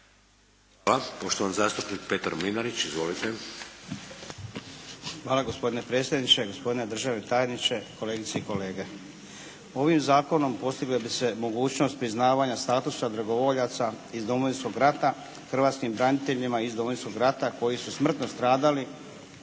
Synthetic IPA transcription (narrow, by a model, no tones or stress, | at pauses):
aapo̞ʃt̪oʋanzaːst̪upnik̚pet̪aɾmlinaɾit͡ɕizʋolit̪e | xʋaːlaɡo̞spo̞d̪ine̞pɾet̪sʲje̞d̪nit͡ɕe̞ɡo̞spo̞d̪ine̞d̪r̩ʒaʋet̪ajenit͡ɕe̞ko̞le̞ːɡit̪seiko̞le̞ːɡe̞ | o̞ʋimzaːko̞no̞mpo̞st̪iɡlebise̞mo̞ɡuːt͡ɕno̞st̪̚pɾiznaːʋaɲast̪aːt̪usad̪ɾaɡo̞ʋo̞ʎat̪sa | izd̪o̞moʋinsko̞ɡɾat̪a | xr̩ʋaːt̪skimbɾanit̪e̞ʎimaizd̪omojinsko̞ɡɾat̪ako̞jisusmr̩t̪no̞st̪ɾaːd̪ali